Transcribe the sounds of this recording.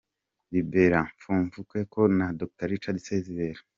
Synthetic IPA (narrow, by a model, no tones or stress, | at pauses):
bibe̞ɾaɱfuːɱvukwekonadok̚taɾit͡ʃadisezeɾeɾa